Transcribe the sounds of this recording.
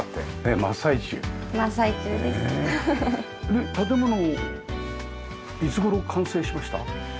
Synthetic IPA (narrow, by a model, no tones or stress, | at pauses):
t̪ːenemasait͡ɕɨ̰ːmasait͡ɕɨːd̪ese | net̪at̪̬e̞mo̞no | it͡sɨɡo̞ɾo̞kʰãɰ̃se̞ːɕimaɕi̥t̪a̰